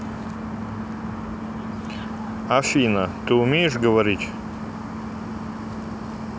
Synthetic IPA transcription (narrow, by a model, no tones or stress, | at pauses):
afʲinɐt̪ɨʊmʲejɪʂɡəvɐɾʲit̪ʲ